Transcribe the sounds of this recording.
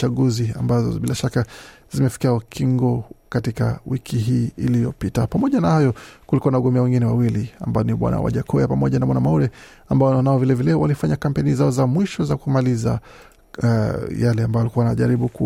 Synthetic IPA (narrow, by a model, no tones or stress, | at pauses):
aɠuzia̰mbazɔ̰ɓilaʃaka | zimɛfi̥kiaukʰiŋɡɔkatika̰wikʰiɦiːilijɔpitapamɔʄanahajɔkulikuanauɡɔmbɛawɛŋɡinɛwawilia̰mbajɔniɓwa̰na̰wa̰ʄakʰɔjapamɔʄanawanamauɾɛ | ambajɔnaɔvilɛvilɛwalifaɲakampɛnizaɔzamwiʃɔzakumaliza̰ | jalɛambajalikuwaanaʄaɾiɓuku